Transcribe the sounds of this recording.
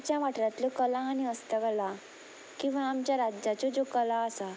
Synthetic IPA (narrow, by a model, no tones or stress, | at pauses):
t͡ɕjaʋaʈɾjãt̪lokəlaːniəst̪akəla | kĩw̃ʋaːmt͡ɕjaɾad͡ʑat͡ɕod͡zokəlaəsa